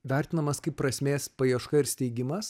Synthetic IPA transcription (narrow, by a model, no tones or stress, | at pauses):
ʋʲæɾʲt̪ʲɪnɐmɐskɐɪppːɾɐsʲmʲeːspɐjiɛʃkɐɪɾsʲt̪ʲɛɪɡʲɪmɐs